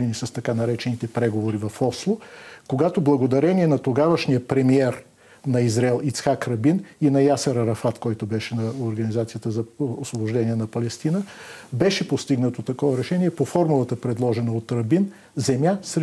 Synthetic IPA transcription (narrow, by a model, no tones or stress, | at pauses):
ɛnisɐst̪ɐkanɐɾɛt͡ʃɛnit̪ɛpɾɛɡovoɾivɐfɔslˠokoɡat̪oblˠɐɡod̪ɐɾɛniɛnɐt̪oɡavəʃniəpɾɛmiɛɾ | nɐizɾɛlˠit̪sxakɾɐbininɐjasɛɾɐɾɐfat̪kɔjt̪obɛʃɛnɐoɾɡɐnizat̪sijət̪əzɐosvˠoboʒd̪ɛniɛnɐpɐlɛst̪inəbɛʃɛpost̪iɡnət̪ot̪ɐkɔvɐɾɛʃɛniɛpofɔɾmulˠət̪əpɾɛd̪lˠɔʒɛnəot̪ɾɐbin | zɛmjasɾɛ